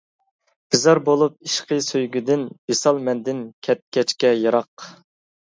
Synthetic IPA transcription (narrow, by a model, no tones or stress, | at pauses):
b̥ɪzɑɾbolˠup̚iʃqʰəsøjɡʲyd̪ɪnb̥esɑlˠmɛnd̪ɪnkʲʰɛt̪̚kʲɛt͡ʃkʲɛjɑɾɑq